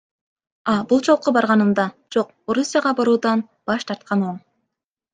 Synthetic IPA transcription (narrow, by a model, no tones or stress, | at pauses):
ɑbulˠt͡ʃʰolˠqːobɑɾʁɑnɯnd̪ɑd͡ʒo̞q | o̞ɾusʲːɪjɑʁɑbɑɾuːd̪ɑn | b̥ɑʃt̪ʰɑɾt̪̚qɑnoɴ